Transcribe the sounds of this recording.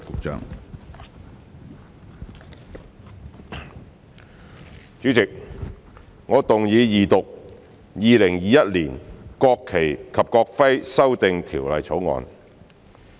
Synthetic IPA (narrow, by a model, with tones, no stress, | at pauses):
kʊ˨˧k̚t͡ʃœ̰ː˥ŋ | t͡ʃyː˨˥t͡sɪ˨k̚ | ŋɔː˨˧t̪ʊ˨ŋjiː˨˧jiː˨t̪ʊ˨k̚ | jiː˨lɪ˨˩ŋjiː˨˧jɐ˦˥t̚liː˨˩nkɔː˧kʰːe˨˩jkʰɐ˨p̚kɔː˧k̚fɐ˥jsɐ˥wt̪ɪ˨ŋt̪ʰiː˨˩wlɐ̰˨jt͡sʰo˨˥wŋɔ̰ː˨˧n